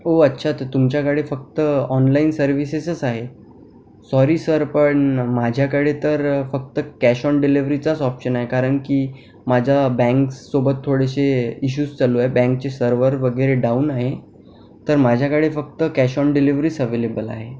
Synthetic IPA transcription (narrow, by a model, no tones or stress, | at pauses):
oətːɕʰat̪t̪umt͡ɕjakəɽefək̚t̪əɔnlainsəɾʋisesəsaɦe | sɔɾiːsəɾpəɳmad͡ʑʱjakəɽet̪əɾfək̚t̪əkæɕɔɳɖiliʋɾit͡sat͡sɔpɕənaɦekaɾəɳkiː | mad͡zʱabɛ̃ŋksobət̪ʰːoɽeɕeiɕ̬uːst͡saluaebɛ̃ŋk̚t͡ɕesəɾʋəɾʋəɡəɾeɖaunaɦe | t̪əɾmad͡ʑʱjakəɽefək̚t̪əkæɕɔɳɖiliʋɾisəʋelebəla̰ɦe